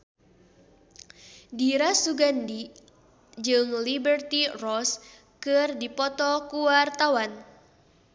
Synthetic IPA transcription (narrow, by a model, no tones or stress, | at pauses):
diɾasuɡandi | d͡ʒɨŋlibərt̪irɔs | kɨrdipɔt̪ɔkuwart̪awan